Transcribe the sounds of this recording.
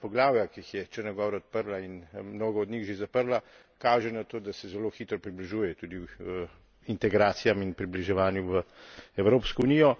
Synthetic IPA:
pɔɡlaːwjakiːxjɛt͡ʃɛɾnɔɡɔːʋɾɔɔt̪̚pəɾlainmnoːɡɔːd̪nʲixʒezapəɾla | kaːʒɛnat̪oːd̪asɛzɛloːxiːt̪ɾɔpɾibliʒujɛt̪uːd̪i | int̪ɛɡɾaːt̪sijaminpɾibliʒɛʋaːnjuʋəɛwɾoːpskɔunijɔ

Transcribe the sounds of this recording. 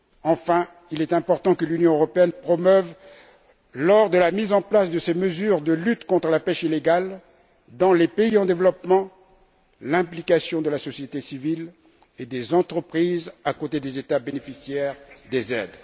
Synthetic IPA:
ɑ̃fɛ̃ | ilɛt̪ɛ̃pɔʁt̪ɑ̃kəlynjɔ̃øʁɔpeɛnpχɔmœv | lɔʁd̪əlamizɑ̃plasd̪əseməzyʁd̪əlyt̪kɔ̃t̪χəlapɛʃileɡal | d̪ɑ̃lepeiɑ̃d̪evlɔpmɑ̃ | lɛ̃plikasjɔ̃d̪əlasɔsjet̪esivil | ed̪ezɑ̃t̪χəpχizakot̪ed̪ezet̪abenefisjɛʁd̪ezɛ̰d̪

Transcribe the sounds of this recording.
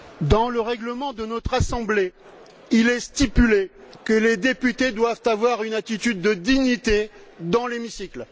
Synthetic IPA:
d̪ɑ̃ləʁɛɡləmɑ̃d̪ənɔt̪χasɑ̃ble | ilɛst̪ipylekəled̪epyt̪ed̪wavt̪avwaʁynat̪it̪yd̪ːəd̪iɲit̪ed̪ɑ̃lemisikl

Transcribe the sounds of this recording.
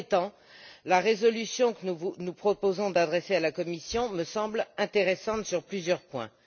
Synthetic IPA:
t̪ɑ̃ | laʁezɔlysjɔ̃kənuvunupχɔpozɔ̃d̪ad̪ʁesealakɔmisjɔ̃məsɑ̃blɛ̃t̪eʁɛsɑ̃t̪syʁplyzjœʁpwɛ̰̃

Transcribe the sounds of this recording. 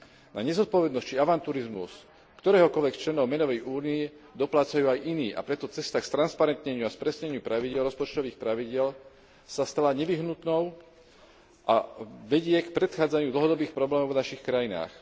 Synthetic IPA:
naɲɛzɔt̪̚pɔʋɛd̪nɔsct͡ʃiaʋant̪uːɾizmṵs | kt̪ɔɾɛːɦɔkɔlʋɛkt͡ʃlɛnɔʊmɛnɔʋɛjʔuːniɛ | d̪ɔplaːt͡sajuːajʔiniːʔa̰pɾɛt̪ɔt͡sɛst̪akst̪ɾanspaɾɛnt̪ɲɛɲɪuaspɾɛsɲɛɲɪupɾaʋiɟɪɛlɾɔspɔt͡ʃt̪ɔʋiːxpɾaʋiɟɪɛl | sast̪alaɲɛʋiɦnut̪nɔʊ | ʔa̰ʋɛɟɪɛkpɾɛt̪xaːd͡zaɲuːd̪l̩ɦɔd̪ɔbiːxpɾɔblɛːmɔʊvnaʃixkɾajina̰ːx

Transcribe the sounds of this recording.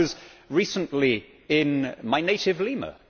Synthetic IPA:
ʌzɹiˑsə̃nʔli | ɪ̃nmaɪneɪtɪvlimə̰

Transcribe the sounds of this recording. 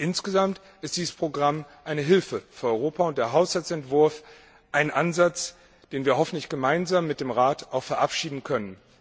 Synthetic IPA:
ʔɪnsɡ̥əzamt | ɪst̚d̥iːzəspʁ̥oɡʁamʔaɪnəɦɪlfəfyːɐɔʏʁ̞oːpaʊnt̚d̥eːɐɦaʊshalt͡sɛntv̥ʊɐf | ʔaɪnʔanzat͡s | d̥eːnviːɐɦɔfn̩tlɪçɡ̥əmaɪnzaːmːɪt̚d̥eːmʁaːtʔaʊxfɛɐʔapʃiːdn̩kʰœnən

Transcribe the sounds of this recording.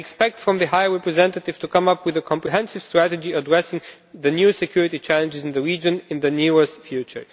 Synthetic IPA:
ɛkspɛk̚tfɹɔ̃mðɨhaɪəɹɛpɹɨzɛ̃ntətɪv̥tukʰʌ̃mʌpwɪðəkʰɔ̃mpɹiɦɛ̃nsɪv̥stɹ̥ætɨd͡ʒiədɹɛsɪ̃ŋ | ðɨnjusɛkʰjʊɹɪtit͡ʃʰælˠə̃nd͡ʒɨzɨ̃nðəɹid͡ʒə̃nɪ̃nðɨniɹəstfjut͡ʃə̰˞

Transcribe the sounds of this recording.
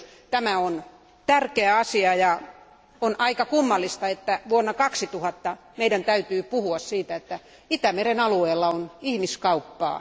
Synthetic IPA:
t̪æmæon | t̪ærkeæɑsiɑjɑ | onʔɑikɑkumːɑlːist̪ɑet̪ːæʋuonːɑkɑksit̪uhɑt̪ːɑ | meidænt̪æyt̪yːpuhuɑssiːt̪æet̪ːæ | it̪æmerenɑlueːlːɑonihmiskɑupːɑ̰ː

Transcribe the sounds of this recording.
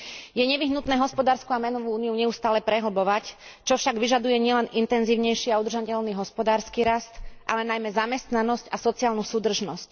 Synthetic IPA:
jɛɲɛʋiɦnut̪nɛːɦɔspɔd̪aːɾskuamɛnɔʋuuːniuɲɛust̪aːlɛpɾɛɦl̩bɔʋact͡ʃɔfʃaɡʋiʒad̪ujɛɲɪɛlɛnint̪ɛnziːʊɲɛjʃiaud̪ɾ̩ʒacɛlniːɦɔspɔd̪aːɾskiːɾast̪ʔalɛnajmɛzamɛst̪nanɔscasɔt͡siaːlnusuːd̪r̩ʒnɔsc

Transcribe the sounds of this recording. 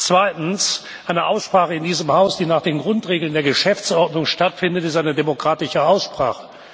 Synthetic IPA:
t͡sv̥aɪtn̩s | ʔaɪnəʔaʊsʃpʁ̥aːχəɪndiːzəmhaʊsd̥iːnaːχd̥eːnɡʁʊntʁeːɡəl̩ndeːɐɡəʃɛft͡sʔɔʁtnʊŋʃtatfɪndətɪstʔaɪnədemokʁ̥aːtɪʃəaʊsʃpʁ̥a̰ːχə̥

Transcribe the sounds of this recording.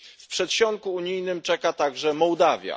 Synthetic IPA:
fpʂɛt̪ɕɔŋkuuɲijnɘmt͡ʂɛkat̪aɡʐɛmɔwd̪avʲja̰

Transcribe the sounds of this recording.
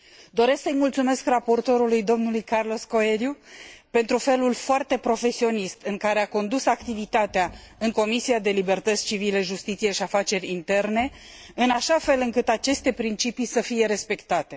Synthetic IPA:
d̪o̞ɾe̞sksəjmult̪sume̞skrapo̞rt̪o̞ɾulujd̪o̞mnulujkarlo̞sko̞eɾjupe̞nt̪ɾufe̞lulfoart̪e̞pɾo̞fe̞sio̞nist̪ɨŋkaɾe̞ako̞nd̪usakt̪ivit̪at̪eaɨŋko̞misiad̪e̞libe̞rt̪ət̪sʲt͡ʃivile̞ʒust̪it̪sije̞ʃiafat͡ʃe̞ɾʲint̪e̞rne̞ | ɨnaʃafe̞lɨŋkɨt̪at͡ʃe̞st̪e̞pɾint͡ʃipisəfije̞ɾe̞spe̞kt̪at̪e̞

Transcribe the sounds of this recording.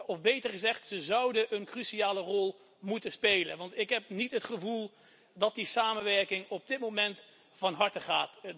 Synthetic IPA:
ɔfbejtəɹχəzɛχtsəzʌwdəʔənkrysiaːlərɔlˠ | mutəspejlə̰nʋɑntɪkɦɛp̚nitɦətχəvulˠ | dɑt̚disaːmənʋɛɹkɪŋɔb̚dɪt̚mowmɛnt | fɑnɦɑɹtəχaːt

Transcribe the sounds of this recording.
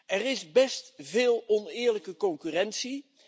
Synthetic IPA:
ʔɛrɪsbɛstvɪːlˠɔnɪːɹləkəkɔŋkyrɛnsi

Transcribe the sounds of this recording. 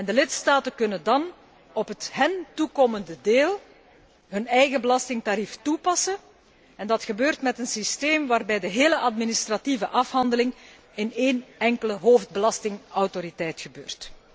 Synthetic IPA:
ɛndəlɪtstaːtəkɵnəndɑn | ɔpɦətɦəntukoməndədeːlˠ | ɦɵnɛjɣəbəlɑstɪŋtaɾiftupɑsə | ɛndɑtxəbøːrtmɛtənsisteːmʋaːrbɛjdəɦeːləʔɑdministrativəʔɑfɦɑndəlɪŋ | ɪneːnɛŋkələɦoːfd̚bəlɑstɪŋɔwtoɾitɛjtxəbøːrt

